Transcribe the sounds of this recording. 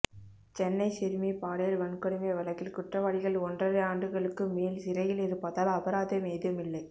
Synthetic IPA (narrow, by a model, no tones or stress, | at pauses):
t͡ʃɛnːɐɪsɪɾmipaːɽɐjɪlʋɐnkːɐɽɯmɐɐʋɐlɐkːɪlkʊʈrɐʋaːɽɪɣɐɭɔndrɐɾɯaːɳɖɯɣɐɭɯkːɯmeːlsɪɾɐjɪlɪɾɯpːɐðaːlɐpɐɾaːðɐmeːðɯmɪlːɐɪ